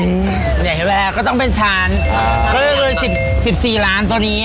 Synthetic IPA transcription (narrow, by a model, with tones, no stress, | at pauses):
ɯ˧˩ | ja˨˩ɦe˧˦˩lɛː˧kɔː˥˩t̪ɔ˥˩ŋpe˧nt͡ɕʰaː˦˥n | kɔː˥˩lɤ˥˧˩kɤː˧jsi˨˩p̚ | si˨˩p̚siː˨˩laː˦˥nt̪u˧niː˦˥